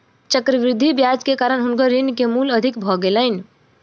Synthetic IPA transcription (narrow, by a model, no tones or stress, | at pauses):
t͡ʃəkɾəʋɾɪd̪ʱːibjad͡ʒkekaːɾənɦʊnkəɾinkemuləd̪ʱikbʱɔɡeləɪn